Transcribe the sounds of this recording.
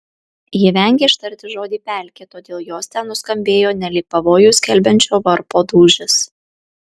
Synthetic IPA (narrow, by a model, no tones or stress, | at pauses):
jɪʋʲɛŋʲɡʲeːɪʃt̪ɐɾʲt̪ʲɪʒoːd̪ʲiːpʲæˑlʲkʲet̪oːd̪ʲeːlˠjoːsʲt̪ʲɛnnʊskɐmʲbʲeːjoːnʲɛlʲiːk̚pɐʋoːjuːsʲkʲɛlʲbʲɛnʲt͡ʃʲoːʋɐɾpoːd̪uːʒʲɪs